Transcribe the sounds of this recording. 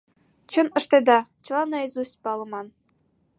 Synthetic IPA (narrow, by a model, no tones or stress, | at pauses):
t͡ɕɤ̆nɤ̆ʂt̪ed̪ɑt͡ɕɤ̆lˠɑnɑezusʲpɑlˠɤ̆mɑn